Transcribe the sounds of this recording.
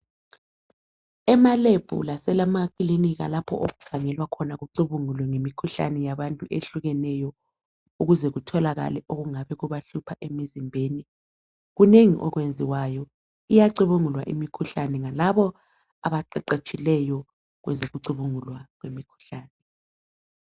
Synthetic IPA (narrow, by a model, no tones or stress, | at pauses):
ɛmaleb̥ʱṵlasɛlamakʼiliniɣa̰lapʰɔ̰ʔoɣuv̥ʰʱaŋɛlwakʰɔnaɣuǀuβuŋulwɛŋemikʰuɬa̰nɛjaβantʼuʔeɬuɣɛnɛjɔ | uɣuzɛɣutʰɔlaɣa̰lɛʔoɣuŋaβɛɣuβaɬupʰaʔemizimbʱeːni | ɣuneŋḭʔɔɣwend͡zʱiwajɔ | ijaǀuβuŋulwa̰ʔḭmikʰuɬanɛŋalaβɔ | aβaǃɛǃet͡ʃʼilɛjɔ | ɣwɛ̰zoɣuǀuβuŋulwaɣwemikʰu̥ɬaːnɛ